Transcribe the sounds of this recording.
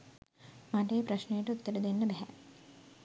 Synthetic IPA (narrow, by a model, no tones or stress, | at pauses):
mɐʈeːpɾɐʃnejɐʈuut̪ːɐɾɐd̪inːɐbɛɦɛ